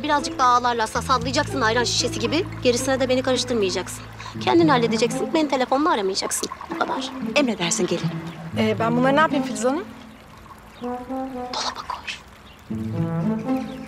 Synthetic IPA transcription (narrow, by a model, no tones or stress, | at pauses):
biɾazd͡ʒɯk̚d̪aaːlˠaɾlˠasaːsad̪lˠɯjad͡ʒaksɯnajɾanʃi̥ʃesiɟibiɟe̞ɾisinɛd̪ɛbeikʰaɾɯʃt̪ʰɯɾmajad͡ʒaksɯn | cʰɛnd̪inhalʲːed̪ed͡ʒɛcsinbenint̪ʰe̞lʲefo̞nunaːɾamajad͡ʒaksɯnukʰad̪aɾ̥ɛmɾed̪æɾsinɟelʲinɛːbænbunˠaɾɯnaːpijmfilʲzanɯm | d̪̥olˠabakʰoɾ̥